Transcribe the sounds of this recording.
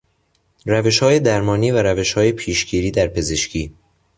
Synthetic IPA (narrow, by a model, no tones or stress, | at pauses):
ræve̞ʃhɒːje̞d̪æɾmɒːniːvæɾæve̞ʃhɒːjepʰiːʃɡiːɾiːd̪æɾpʰe̞ze̞ʃcʰiː